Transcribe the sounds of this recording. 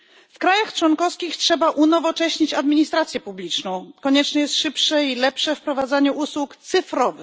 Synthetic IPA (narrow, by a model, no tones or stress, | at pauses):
fkɾajaxt͡ʂwɔnkɔfskʲixtʂɛbaʔunɔvɔt͡ʂɛɕɲit͡ɕad̪mʲiɲist̪ɾat̪sʲjɛpublʲit͡ʂnɔ̃w̃kɔɲɛt͡ʂnɛjɛst̪ʂɘpʂɛilɛpʂɛfpɾɔvad̪zaɲɛʔuswukt̪sɘfɾɔvɘ